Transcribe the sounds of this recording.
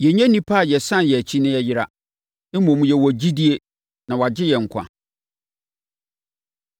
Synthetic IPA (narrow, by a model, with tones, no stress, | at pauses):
jɛ˨ɲæ̃˦nĩ˦pʰa˦˨jɛ˨sã˦njɛ˨æ˨t͡ɕʰi˦nɪ̃˦ɛ˦jɪ˦ɾa̰˨˦ | mɔ̃˨m˨jɛ˨wɔ˨d͡ʑi˦di˦e˦ | nã˨wa˨d͡ʑɪ˦jɛ˨ŋ̩˨kʷʰã̰˨